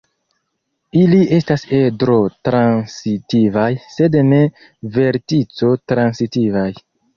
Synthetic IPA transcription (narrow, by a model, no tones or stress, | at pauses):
iliʔe̞stase̞dɾo̞tɾansitivajse̞dne̞ | ve̞ɾtit͡so̞tɾansitivaj